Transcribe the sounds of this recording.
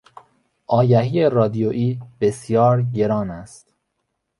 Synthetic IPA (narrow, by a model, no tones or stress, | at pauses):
ʔɒːjæɦiːerɒːd̪ijoʔiːb̥esjɒːɾɟeɾɒːnæst̪